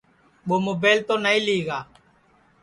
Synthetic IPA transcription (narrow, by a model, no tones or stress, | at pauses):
ɓomubɛlt̪onailiɣa